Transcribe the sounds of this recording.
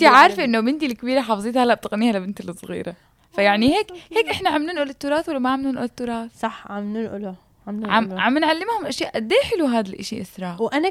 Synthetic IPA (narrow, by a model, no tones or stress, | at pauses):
t̪iʕaːɾˤfʔɪnːomɪnt̪ilkːbiːɾaħɑːfzˤiːt̪halːaʔb̚t̪ɪɣniːhalabɪnt̪lɨsˤːɣḭːɾa | fajaʕniheːkheːkʔɪħnaʕamluːnʔolɪt̪ːuːɾˤɑːt̪walːamaʕamluːnʔolt̪ːuːɾˤɑːt̪sˤɑħʕamnunʔʊl | ʕamʕamʕamːɪnʕalːɪmhʊmʔaʃjaːʔd̪eːħɪluɦaːd̪alʔaʃḭʔɪsɾˤɑːʕʔana